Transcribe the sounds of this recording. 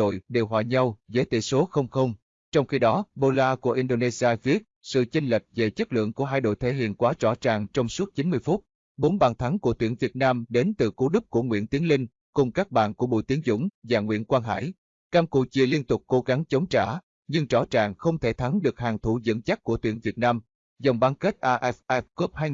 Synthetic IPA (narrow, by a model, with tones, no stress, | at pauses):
o̰˧˨jɗe˨˩wɦwa̰ː˧˨˩ɲa˧wze˨˦t̪ḭ˧˨˩so˨˦xə˧wŋ͡mxə˧wŋ͡m | t͡ɕɔ˧wŋ͡mxi˧ɗɔ˨˦ɓo˧laː˧ku˧˩əʔi˧nɗo˧ne˧zi˧aː˧ɣi˨˦˥ət̚sɨ̰˧˨t͡ɕi˧ŋlə˨˩k̟̚ve˨˩t͡ɕə˦˥t̚lɨ̰˧˨əŋku˧˩əɦaː˧jɗo̰˧˨jt̪ʰe˨˦ɦḭ˧˨ənkwaː˨˦t͡ɕɔ˧˩t͡ɕa̰ː˨˩ŋt͡ɕɔ˧wŋ͡msu˦˥t̚t͡ɕi˨˦nmɨ˧əjfu˦˥t̚ | ɓo˨˦nɓaː˨˩nt̪ʰa˨˦ŋku˧˩ət̪wḭ˧˩ənvi˨˩ət̚naː˧mɗe˨˦nt̪ɨ˨˩ku˨˦ɗɨ˦˥p̚ku˧˩əŋwḭ˧˨ənt̪i˨˦əŋlï˧ŋ̟ | kʊ˨˩ŋ͡mkaː˦˥k̚ɓa̰ː˧˨nku˧˩əɓo̰˧˨jt̪i˨˦əŋzʊ̰˧˥ŋ͡mvaː˨˩ŋwḭ˧˨ənkwaː˧nɦa̰ː˧˨j | kaː˧mkṵ˧˨t͡ɕi˧˨˩li˧ənt̪ʊ˨˩k͡p̚ko˨˦ɣa˨˦ŋt͡ɕə˨˦wŋ͡mt͡ɕaː˧˩ | ɲɨ˧ŋt͡ɕɔ˧˩t͡ɕaː˨˩ŋxə˧wŋ͡mt̪ʰe˧˩t̪ʰa˨˦ŋɗɨ˨˩ək̚haː˨˩ŋt̪ʰu˧˩zə̰˧˨nt͡ɕa˦˥k̚ku˧˩ət̪wi˧˩ənvi˨˩ət̚naː˧m | zɔ˨˩wŋ͡mɓaː˧nke˦˥t̚ʔaː˧ʔɛ˦˥fʔɛ˦˥f̚ko˦˥p̚haː˧j